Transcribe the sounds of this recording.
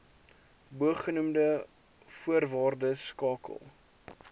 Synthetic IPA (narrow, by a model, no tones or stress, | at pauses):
buəχːənumdə | fuərvɑːrdəskɑːkə̰lˠ